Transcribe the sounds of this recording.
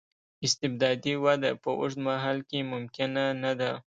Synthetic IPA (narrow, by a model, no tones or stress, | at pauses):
ɪst̪ɪb̚d̪ɑd̪iwad̪apəʔʊ̰ʂd̪maɦɑlkemʊmkɪnanad̪a